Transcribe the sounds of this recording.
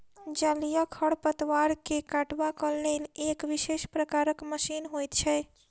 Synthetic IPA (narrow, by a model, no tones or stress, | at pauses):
d͡ʒəlijəkʰəɽpət̪waɾkekaʈbakəlːelekʋisespɾəkaɾəkməsinɦojt̪t͡ʃʰɛ